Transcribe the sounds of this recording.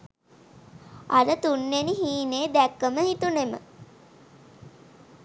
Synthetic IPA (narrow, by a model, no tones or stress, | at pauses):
ad̪ət̪unːeniɦiːneːd̪ækːəməɦit̪unemə̰